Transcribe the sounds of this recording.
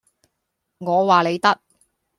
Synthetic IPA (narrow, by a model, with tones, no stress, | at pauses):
ŋɔː˨˧waː˨le˨˧jt̪ɐ˥k̚